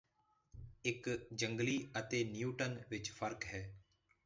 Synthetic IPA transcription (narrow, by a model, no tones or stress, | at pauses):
ɪkd͡ʒə̃ŋɡliːət̪eːnɪjuːʈənʋɪt͡ʃfʰəɾkɦɛː